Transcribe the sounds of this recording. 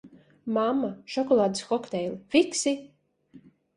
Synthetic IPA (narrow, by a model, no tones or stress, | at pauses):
mamːaʃɔkɔlˠaːd̪ɨsxɔkt̪ɛjlʲˠifiksi